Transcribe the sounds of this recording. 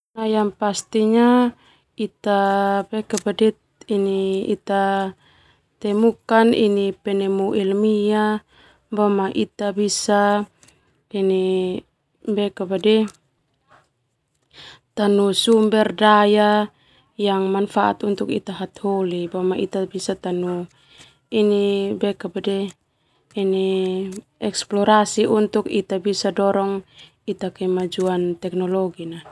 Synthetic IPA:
najaŋpast̪iɲa | it̪abɛkabadɛ | iniːt̪a | t̪ɛmukanḭnipɛnɛmuʔilmia | bɔmaʔit̪abisa | ini | mbɛkabadɛ | t̪anusumbɛrdaja | jaŋmanfaʔa̰t̪unt̪ukḭt̪aɦat̪holibamait̪abisat̪anu | inibɛkabadɛː | ni | ɛksplɔɾasiʔunt̪ukḭt̪abisadɔɾɔŋ | it̪akɛmad͡ʒuant̪ɛknɔlɔɡina

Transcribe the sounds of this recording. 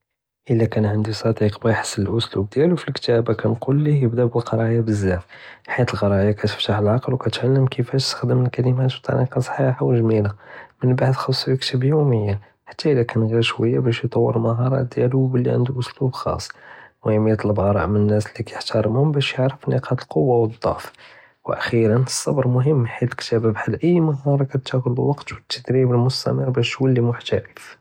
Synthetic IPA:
ʔəlːækænʕənd̪isˤɑd̪iqbijħə̥sːələlʔʊslub̚d̪jælufilkt̪æbakænqulːijəbd̪æbəlqɑɾˤɑjabəzːæfħit̪əlɣɑɾˤɑjakæt̪ə̥ft̪aħəlʕɑqəlwkæt̪ʕalːəmkʰəfæt̪t̪st̪ə̥xd̪əməlkæləmæt̪bt̪ːɑ̰niqɑsˤħiħawʒmilamənbaʕd̪xɑsˤːujəkt̪əbjuməjːa | ħḁt̪ːæʔəlækænɣiɾʃwæjːabæʃjt̪ˤɑwːə̰ɾlməɦɑɾˤɑ̰t̪̚d̪jælubəlːiʕə̰nd̪uʔʊslubxɑ̰sˤːmʊhəmːəjːæt̪əlbɑɾˤə̰ʕmənənːæslikæjəħt̪ɑɾˤmhʊmbæʃjəʕɾəfənːiqɑt̪əlqowːawəd̪ˤːɑ̰ʕf | wʔæ̰xiɾənəsˤːɑbɾmʊɦəmːħilkt̪æbəbħad̪ʔəjːməɦɑɾˤɑkæt̪ːæxʊd̪wɑqt̪wət̪ːəd̪ɾibəlmʊst̪æ̰məɾbæʃwəlːimʊħt̪æɾəf

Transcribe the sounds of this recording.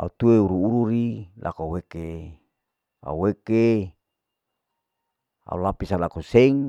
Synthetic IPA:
a̰ut̪ueuɾuːɾuɾilʔa̰koweke | a̰uweke | a̰ulapisalakoseŋ

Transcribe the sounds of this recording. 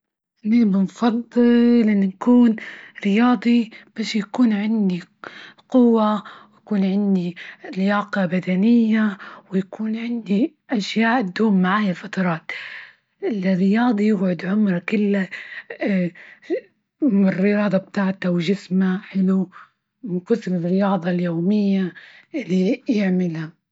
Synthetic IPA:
ʔnibɪnfɑðˤːɨlʔɪnːjakuːnɾɪjɑːd̪ˤib̥aːsjakuːnʕɪnd̪iqʊwːawjakuːnʕɪnd̪ilɪjaːqɑbad̪anɪjːawɪjakʰuːnʕɪnd̪i | ʔaʃjaːʔd̪uːmːaʕaːjalfat̪ɑɾˤɑːt̪ | ɪlrɪjɑːd̪ˤɑjɪɡʕʊd̪ʕʊmɾˤɑkɪlːa | mɪrːɪjɑːd̪ˤɑbt̪aːʕt̪awʒɪsmaħɪlu | ɪɡʊθlɪrːɪjɑːd̪ˤɑljoːmɪjːaʔɪlːijɪʕmɪlha

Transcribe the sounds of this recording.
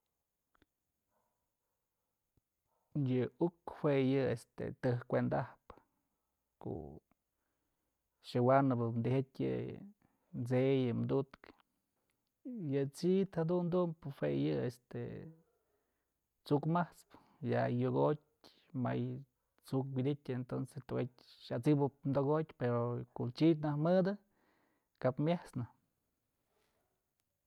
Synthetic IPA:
jɨukhwejɨest̪ḛt̪ɨhkʷend̪ahpɨ̥ | ko̰ʔ | ʃɨwanɨbɨnd̪ihetʲjɨ̰ | nt͡sejɨmd̪ut̪k | jɨt͡sit̪had̪und̪umpɨhwejɨest̪ḛ | t͡sukmaht͡spɨ̥ | ja̰joɡotʲ | ma̰j | t͡sukbid̪ʲit̪ʲent̪onsest̪oet̚ʲʃaʔt͡sibɨp̚nd̪oɡot̪ʲpeɾokot͡ʃit̪̬nahmɨd̪ɨ | kapmjaht͡snah

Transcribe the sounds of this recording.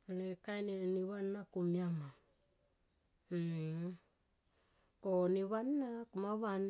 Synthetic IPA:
alekajneniβannakumiama | koniβannakumaβan

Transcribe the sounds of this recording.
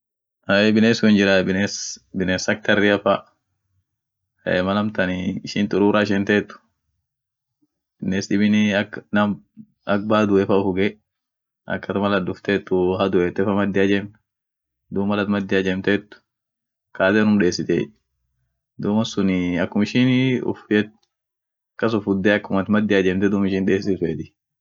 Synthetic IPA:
ɐbɪneːsʊwɛnd͡ʒɪɾabɪnesbɪneːsɐk̚t̪ɐɾːɪɐfɐ | ɛ̰mɐlɐmt̪ɐnɪɪʃɪnt̪ʊɾuːɾaːʃ̬ɛnt̪eːt̪ːʊ̥ | bɪneːsᶑɪbɪnɪɐknɐ | ɐk̚baːd̪ʊɛfɐʊfʊɡɛ | ɐ̰kːɐt̪mɐlɐd̪ʊft̪eːt̪ːʊɐd̪ʊɛːt̪ːɛfɐmɐd̪ːɪɐd͡ʒɛm | d̪uːmɐlɐt̪mɐd̪ːɪɐd͡ʒɛmt̪ɛːt̪ːʊ̥ | kaːd̪enʊmᶑeːsːɪt̪ɛ̰ | d̪uːmʊsʊnɪɐkːʊmɪʃɪnʊ̰fd͡ʒɛt̪ | ɐkːɐs̬ʊfʊd̪ːeɐkːʊmɐt̪mɐd̪ːɪɐd͡ʒɛmt̪ɛd̪uːmɪʃɪnᶑeːsɪt̪ʊeːt̪ɪ

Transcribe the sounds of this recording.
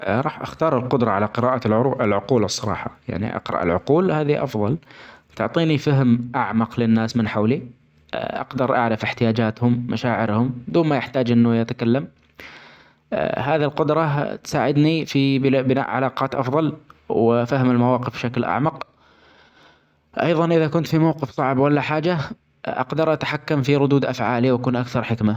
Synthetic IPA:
ɾˤɑːħʔaxt̪ɑːɾˤɪlqʊd̪ɾˤɑʕalaqɪɾɑːʔaɪlʕʊquːlɨsˤːɑɾˤɑ̰ːħɑja̰ʕnḭʔɑ̰qɾˤɑ̰ʔɪ̰lʕʊquːlhaːðiʔɑ̰fðˤɑlt̪ʊʕt̪ˤiːnifaɦmʔaʕmɑqlɪnːaːsmɪnħawli | ʔɑ̰ɡd̪ɑɾˤʔa̰ʕɾˤɪfɪħt̪ɪjaːd͡ʒaːt̪hʊmːa̰ʃaːʕɪɾhʊmd̪uːnmajɪħt̪aːd͡ʒʔɪnːujat̪akalːam | ɦaːðilqʊd̪ɾˤɑt̪saːʕɪd̪nifibɪna̰ːʔʕa̰lɑːqɑːt̪ʔɑfðˤɑlwfaɦmɪlmawɑːqɨfb̥ʃaklʔa̰ʕmɑq | ʔɑ̰jðˤɑnʔɪðakʊnt̪fimawqɨfsˤɑʕbwalːaħaːd͡ʒa | ʔɑ̰qd̪ɑɾˤʔat̪ḁħakːamfiɾˤʊd̪uːd̪ʔa̰fʕaːliwʔakuːnʔakθɑɾˤħɪkma

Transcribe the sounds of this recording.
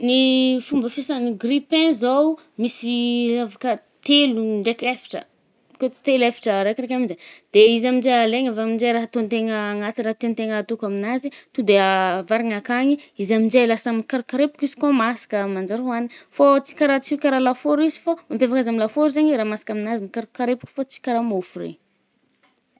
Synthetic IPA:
nifumbəfisaniɡripɛ̃zowmisiavakə | t̪eluɳɖ͡ʐekefi̥ʈ͡ʂə̰ | kot͡si̥t̪elefi̥ʈ͡ʂəɾekrekʲamind͡ʒed̪̥eizamind͡ʒealeɲavamind͡ʒejɾaɦat̪ont̪eŋəːŋat̪iɾat̪ent̪eŋat̪ukaminazit̪ud̪eavaɾiɲakaɲiizamind͡ʒelasamikaɾukaɾepu̥kizi̥komasi̥kəmand͡ʒaɾɦuanifot͡si̥kʲaɾat͡sikʲaɾalafoɾizi̥famampefakizamilafoɾuzaɲiɾamasi̥kaminazimikaɾukaɾepu̥kʲu̥fat͡si̥kʲaɾamufurḛ

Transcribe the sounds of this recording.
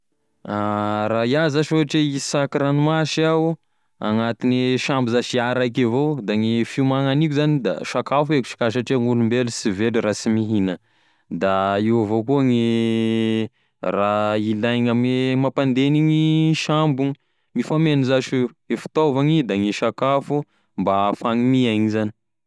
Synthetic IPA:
aɾaiazaʃoaʈ͡ʂeisakiɾanumaʃaw | a̰ŋat̪iniʃambuzaʃiaɾajk̬evod̪aŋifimaŋanik̬ʲuzanid̪a̰ʃakafeku̥ʃḁkaʃaʈ͡ʂeŋulumbelusivelurasimiɦinə | d̪aiwavokoŋi | railajŋamimapand̪eniŋiʃambuŋi | mifamenizaʃu | efi̥t̪ovaŋid̪aŋiʃakafu | mbafaŋimiaɲizani̥

